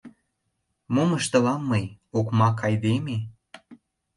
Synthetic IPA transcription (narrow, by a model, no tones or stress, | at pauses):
moməʃt̪ə̆lɑmːɤjokmɑkʰːɑjd̪eme